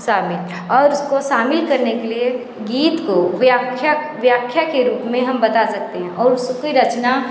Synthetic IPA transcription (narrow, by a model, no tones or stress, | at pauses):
ʃaːmɪl | ɔːɾʊskoʃaːmɪlkɐɾnekelie | ɡiːt̪koʋjakʰja | ʋjaːkʰjakeɾuːpmẽɦɐmbɐt̪asɐk̚t̪eɦɛ̃ʔɔːɾʊskiɾɐt͡ʃna